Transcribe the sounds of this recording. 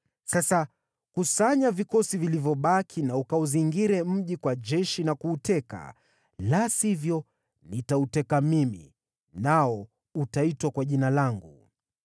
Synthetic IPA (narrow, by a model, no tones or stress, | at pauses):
sasa | kusaɲavikɔsivilivjɔɓakʰinaukauziŋɡiɾɛm̩ʄikwaʄɛʃinakuːtɛka̰ | lasivjɔ | nitautɛkamimḭ | naɔ | utaitwakwaʄinalaŋɡu